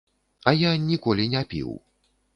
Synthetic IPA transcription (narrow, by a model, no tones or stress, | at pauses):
ɐjanʲikɔlʲinʲapʲḭw